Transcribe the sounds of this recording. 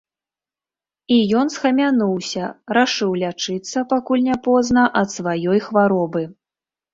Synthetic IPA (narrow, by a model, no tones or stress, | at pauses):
ijɔn̪sxɐmʲanuwsʲɐɾaʂɨwlʲat͡ʂɨt̪sːɐpakulʲnʲapɔznɐʔɐt̪svajɔjxvaɾɔbɨ